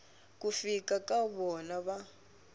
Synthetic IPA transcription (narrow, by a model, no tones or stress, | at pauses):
kufikakʼaβɔnaβa